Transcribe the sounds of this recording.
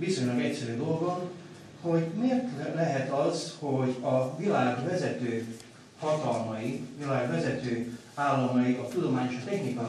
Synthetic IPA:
viso̞ɲlɒɡɛcsɛɾyːd̪o̞lɡo̞n | ho̞ɟmeːrt̪lɛɦɛt̪ɒzho̞ɟɒvilaːɡvɛzɛt̪øː | hɒt̪ɒlmɒjivilaːɡʋɛzɛt̪øː | aːlːɒmɒjiʔɒt̪ud̪o̞maːɲeːʃɒt̪ɛxnikɒ

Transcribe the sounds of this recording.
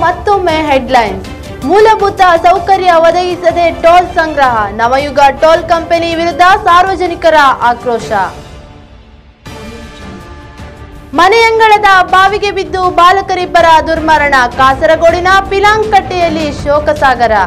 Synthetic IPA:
mɐt̪ːomːeɦeɖlɐjn | muːlɐbʱut̪ɐsɐwkɐɾjɐʋɐd̪ɐɡisɐd̪e̞ʈoːlsɐŋɡɾɐɦɐnɐmɐjuɡɐʈoːlkɐmpeniʋiɾud̪ʱːɐsaːɾʋɐd͡ʒɐnikɐɾɐʔaːkɾɔːʃɐ̰ | mɐnɛjɐŋɡɐɭɐd̪ɐbaːʋiɡe̞bid̪ːubaːlɐkɐɾibɐɾɐd̪uɾmɐɾɐɳɐkaːsɐɾɐɡoːɽinɐpilaːŋɡkɐʈːɛjɐlːiʃɔːkɐsaːɡɐɾɐ

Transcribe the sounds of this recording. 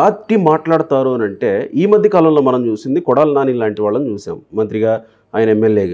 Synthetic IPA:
aːʈːimaːʈlaːɽut̪aːɾuɐnɐɳʈe̞ːiːmɐd̪ʱjɐkaːlɐmloːmɐnɐmt͡ʃuːsind̪ikɔɽaːlnaːnilaːɳʈiʋaːɭːɐnut͡ʃuːʃa̰ːmːɐnt̪̬ɾiɡaː | aːjinɐemːeljeːɡaː

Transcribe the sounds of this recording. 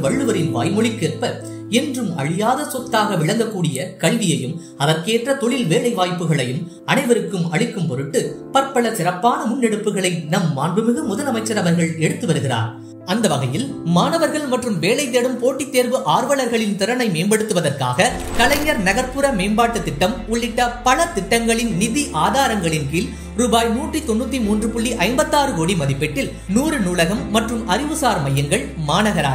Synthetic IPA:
ʋɐɭːɯʋɐɾɪnʋa̰ːjmɔɭɪkːeːrpɐ | ɛndrɯmɐ̰ɭɪjaːðɐsɔk̚t̪ːaːɣɐʋɪɭɐŋɡɐkːuːɽɪjɐkɐɭʋɪjɐjɯm | ɐʋɐɾkeːʈrɐt̪ɔɭɪlʋeːɭɐɪʋaːjpːɯɣɐɭɐjɯm | ɐnɐɪʋɐɾɯkːɯmɐɭɪkːɯmpɔɾɯʈːɯpɐɾpɐɭɐsɪrɐpːaːnɐmʊnːɛɽɯpːɯɣɐɭɐɪnɐmːaːnbɯmɪɣɯmʊðɐlɐmɐɪt͡ʃːɐɾɐʋɐɾɣɐɭɛɽɯt̪ːɯʋɐɾɯɣɪra̰ːɾ | ɐnd̪ɐʋɐɣɐjɪl | maːnɐʋɐɾɣɐɭmɐʈrɯmʋeːlɐɪt̪̬ːeːɽɯmpoːʈːit̪ːeːɾʋɯʔaːɾʋɐɭɐɾɣɐɭɪnt̪ɪɾɐnɐɪmeːmbɐɽɯt̪ːɯʋɐðɐrka̰ːɣɐ | kɐlɐɪɲːɐɾnɐɣɐɾpːɯɾɐmeːmbaːʈːɯt̪ːɪʈːɐmʊɭːɪʈːɐpɐlɐt̪ɪʈːɐŋɡɐɭɪnnɪðiʔaːðaːɾɐŋɡɐɭɪnkiːl | ɾuːbaːjnuːʈrit̪ɔnːuːt̪̬ːimuːndrɯpʊɭːiʔɐɪmbɐt̪ːaːɾɯkoːɽimɐðɪpːɛʈːɪl | nuːɾɯnuːlɐɣɐmːɐʈrɯmɐɾɪʋɯsaːɾmɐjːɐŋɡɐɭ | maːnɐɣɐɾa̰ːɾ

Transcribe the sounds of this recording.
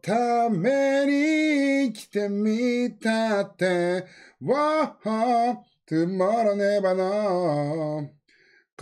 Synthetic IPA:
t̪ʰameɾi | kʲi̥t̪emit̪at̪ːewaha | t̪ɨmaɾanebana | k

